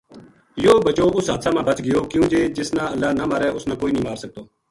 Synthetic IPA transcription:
joːbət͡ʃoːkuːsaːt̪saːmãːbət͡ʃɡɪjoːkjũːd͡ʒeːd͡ʒɪsnãːəlːaːnaːmaːɾɛːʔʊsnãːkoːiːnĩːmaːɾsək̚d̪oː

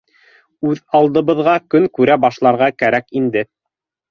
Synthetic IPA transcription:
ʉðɑlˠd̪ɤ̆βɤ̆ðʁɑkɵŋkʉɾæbɑʃlˠɑɾʁɑkæɾækind̪ɘ

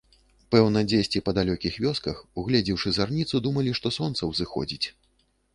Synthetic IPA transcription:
pɛwnɐd͡zʲesʲt͡sʲipɐd̪alʲɔkʲixvʲɔskɐxuɣlʲɛd͡zʲiwʂɨzarnʲit̪sud̪umɐlʲiʂt̪ɔsɔn̪t̪sɐwzɨxɔ̰d͡zʲit͡sʲ

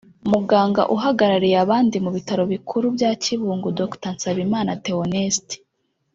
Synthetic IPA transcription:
umuɡaːŋɡa̰ʔuɦaɡaɾaɾijeaβaːndimuβitaɾo̞βikʰuɾubjaːciβuːŋɡudo̞ktansaβimaːnate̞onesti̥

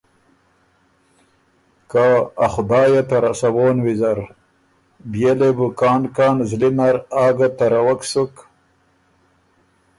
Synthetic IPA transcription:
kaːxʊd̪ɑːjat̪aɾasawoːnwizaɾ | bjelebukaːnkɑːnzlinaɾaːɡat̪aɾawaksuk

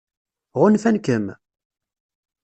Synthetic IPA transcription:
ʁʊnfænkəm

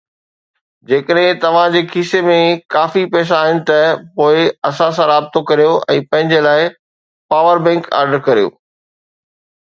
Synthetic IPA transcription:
d͡ʑeːkəɗɦɪ̃t̪ɐʋ̤ãd͡ʑeːkʰiːsemẽkaːfipɛːs̬aːɦɪnɪ̆t̪ɐpoːɪɐsãs̬ãɾaːbɪt̪okɐɾijoɛ̰̃ːpɐ̃ɦɪ̃ɲd͡ʑelaːɪ | paːʋəɾbɛ̃ːŋka̰ːɾɖəɾkɐɾijo̰ː

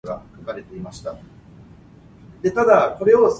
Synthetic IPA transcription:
ɡa̰kḁkaɾe̞t̪e̞imaɕi̥t̪a | d̪̥e̞t̪ad̪ako̞ɾe̞o̞s

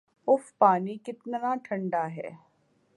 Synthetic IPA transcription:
ʊfpaːnikɪt̪nnaːʈʰɐ̃ɳɖaːɦɛ̰ː

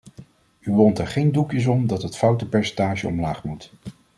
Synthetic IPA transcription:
yʋɔntɛɹχejndukjəs̬ɔmdɑtɦətfɑwtəpɛɹsɛ̥ntaːʒəɔ̰mlaːχmut

